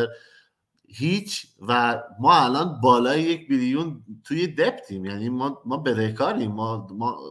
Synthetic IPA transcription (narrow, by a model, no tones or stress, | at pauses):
hiːt͡ʃʰvæmɒːælɒːnbɒːlɒːjejecʰbilijunt̪ʰuːjed̪ept̪ʰiːmjæːniːmɒːmɒːbeɾekʰɒːɾiːmːɒːmɒ